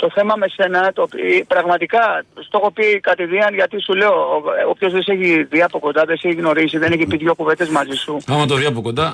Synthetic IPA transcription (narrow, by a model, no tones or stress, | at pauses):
t̪o̞θe̞mɐme̞se̞nɐt̪oppɾɐɣmɐt̪ikɐst̪o̞xo̞pikɐt̪iðiɐnʝɐt̪isule̞oopço̞zðeseçiðiɐpo̞ko̞nd̪ɐðeseçiɣno̞ɾisiðe̞neçipitʝo̞kuve̞d̪e̞zmɐzisuθɐmɐt̪oðiɐpokond̪ɐ